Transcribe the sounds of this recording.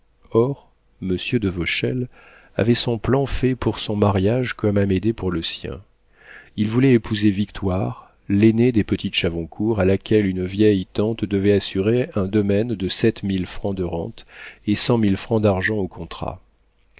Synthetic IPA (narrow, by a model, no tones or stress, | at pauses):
ɔʁ | məsjød̪əvɔʃɛ̰l | a̰vɛsɔ̃plɑ̃fɛpuʁsɔ̃maʁjaʒkɔmamed̪epuʁləsjɛ̰̃ | ilvulɛːpʰuzevik̚t̪waʁ | lened̪epət̪it̪ʃavɔ̃kʰuʁalakʲɛlynvjɛjt̪ɑ̃t̪d̪əvɛasyʁeɛ̃d̪ɔmɛnd̪əsɛt̪milfχɑ̃d̪əʁɑ̰̃t̪esɑ̃milfχɑ̃d̪aʁʒɑ̃okɔ̃t̪χa̰